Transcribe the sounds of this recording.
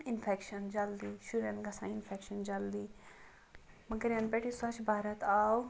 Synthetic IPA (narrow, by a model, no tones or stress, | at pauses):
ɪnfʰeːkʃɐnd͡ʒald̪iːʃuɾɐnɡɐsã̰ːɪnfʰeːkʃənd͡ʒɐld̪iː | mɐɡɐɾɐnpɛːʈʰisɐt͡ʃbʱaːɾət̪aːw